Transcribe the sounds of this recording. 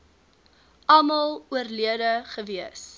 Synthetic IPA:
ʔɐmɐlˠuərliədəχəviəs

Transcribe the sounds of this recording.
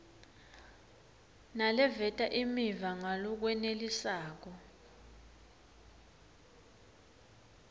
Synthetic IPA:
nalɛvɛtʼaʔimivaŋalɔk̬wɛnelisaːk̬ɔ

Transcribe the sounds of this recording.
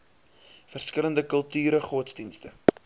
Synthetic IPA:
fərskələndəkəlˠtyːɾəχɔtsdinstə

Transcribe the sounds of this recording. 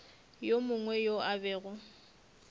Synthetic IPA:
jomʊŋwɛjoabɛːɣʊ

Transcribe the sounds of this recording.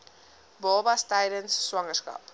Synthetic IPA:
bɔlˠbɐstɛjdənsːwɐŋəskɐ̰p

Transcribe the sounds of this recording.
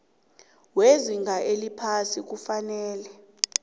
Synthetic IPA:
weziŋɡʱaʔelipʰasik̬ufanɛːlɛ

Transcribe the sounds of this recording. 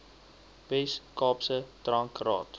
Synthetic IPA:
bɛskɑːpsətrɐŋkrɑ̰ːt

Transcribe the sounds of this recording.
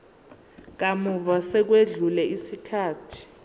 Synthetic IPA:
k̬amuvasɛk̬weɮulɛʔisikʰaːtʰi̥

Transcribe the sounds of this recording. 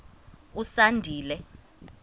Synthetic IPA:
usandʱiːlɛ

